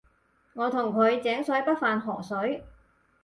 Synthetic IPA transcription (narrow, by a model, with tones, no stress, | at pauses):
ŋɔː˨˧t̪ʰʊ˨˩ŋkʰɵ˨˧ɥt͡sɛː˨˥ŋsɵ˨˥jpɐ˥t̚faː˨nɦɔː˨˩sɵ˨˥ɥ